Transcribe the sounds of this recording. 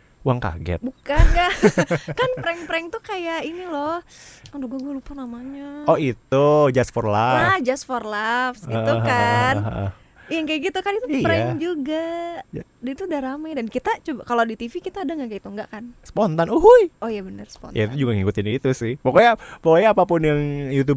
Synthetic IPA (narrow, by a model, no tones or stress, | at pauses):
uaŋka̰ɡɛ̰t̪bukanɡaʔkanpɾɛŋpɾɛŋt̪ukajainilɔhadoɡuaɡualupanamaɲaɔit̪ud͡ʒasfɔrlaad͡ʒasfɔrlafsɡiəuɦkanə̰ʔə̰ | jaŋkajɡit̪ukanit̪upɾɛŋd͡ʒuɡa | dit̪udaɾamajdankit̪at͡ʃubakalodit̪ifikit̪aːdaŋɡaʔkait̪uŋɡaʔkansə̥pɔnt̪anuɦujojabənərsə̥po̰nja̰it̪ud͡ʒuɡaŋikut̪ɪnit̪usɪhpokoɲapokoɲaːpapʊnjaŋjut̪̬ub